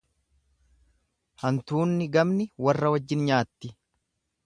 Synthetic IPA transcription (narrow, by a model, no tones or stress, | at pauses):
hɐnt̪uːnːɪɡɐmnɪwɐrːɐwɐd͡ʒːɪnɲaːt̪ːɪ